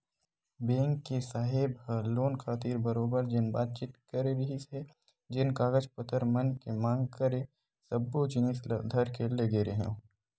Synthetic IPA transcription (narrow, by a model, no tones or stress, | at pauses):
bẽːŋkːesaːɦɪbhəloːnkʰaːt̪iːɾbɐɾoːbəɾd͡ʒɪnbaːt̪̚t͡ʃiːt̪kɐɾeɾɐɦise | d͡ʒɪnkaːɡəd͡ʒpət̪əɾmɐnkemãːŋɡkɐɾe | sɐbːot͡ʃɪnisd̪ʱɐɾkelɐɡeːɾeɦɛ̰̃